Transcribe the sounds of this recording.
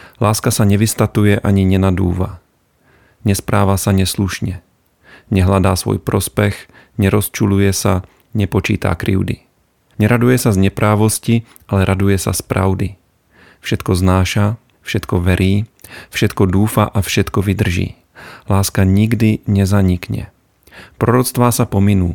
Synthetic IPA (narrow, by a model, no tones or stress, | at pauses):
laːskasaɲɛʋist̪at̪ujɛʔaɲiɲɛnad̪ṵːva | ɲɛspɾaːʋaːsaɲɛsluʃɲɛ | ɲɛɦlad̪aːsʋɔ̰jpɾɔspɛx | ɲɛɾɔst͡ʃulujɛsa | ɲɛpot͡ʃiːt̪a̰ːkɾḭwd̪ḭ | ɲɛɾad̪ujɛsazɲɛpɾaːʋosci | ʔalɛɾʔad̪ujɛsa̰spɾa̰wd̪i | fʃɛt̪kɔznaːʃa | fʃɛt̪kɔvɛɾʔiːfʃɛt̪kɔduːfa̰ːʔafʃɛt̪kɔvid̪r̩ʒḭː | laːskaɲiɡd̪iɲɛzaɲikɲɛ̰ | pɾoɾɔt͡st̪ʋaːsapominuː